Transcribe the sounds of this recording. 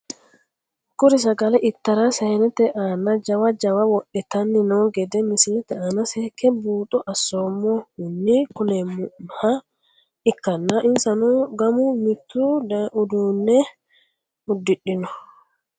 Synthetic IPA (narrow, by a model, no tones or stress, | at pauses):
kʊɾɪs̬ɐɡɐlɛʔɪt̪ːɐɾasɛnɛt̪ɛʔanɐd͡ʒɐwad͡ʒɐwɐwɔɗːɛt̪ɐnːɪnoɡɛd̪ɛmɪsint̪ɛanasɛkːɛbuːt̪ʼɔʔɐsːomːɔhʊnːikʊnɛmʊha | ɪkːɐnːaʔɪnsɐnɔɡɐmʊmɪt̪ːuʊd̪unːɛ | ʊd̪ːɪɗɪnɔ